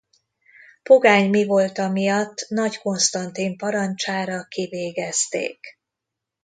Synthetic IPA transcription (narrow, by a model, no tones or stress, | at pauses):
po̞ɡaːɲmivo̞lt̪ɒmijɒt̪ːnɒcko̞nst̪ɒnt̪impɒɾɒnt͡ʃaːɾɒkiveːɡɛst̪ḛːk